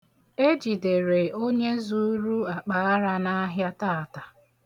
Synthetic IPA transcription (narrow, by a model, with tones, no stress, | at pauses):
e˦d͡ʒi˨de˨ɾe˨o˦ɲe˦zu˦ɾu˦a˨k͡pa˨˦ɾa˦na˦ɦja˦taː˦a˨ta˨